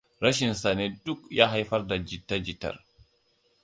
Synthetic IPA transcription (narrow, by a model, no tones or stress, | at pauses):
ɾaʃinsanɛdukjaɦajfaɾdad͡ʒitːad͡ʒitːa̰ɾ